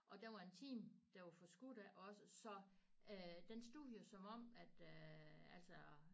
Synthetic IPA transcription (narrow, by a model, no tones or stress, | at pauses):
ʔɒ̽d̥eʋɑ̈e̝nt͡sʰḭːmd̥æʋɑfɒ̽sɡ̥ud̥æʔɒ̽səsɒ̽ød̥ensd̥uðˠjosɒ̽mɒ̽m̰æd̥øæl̰sɒ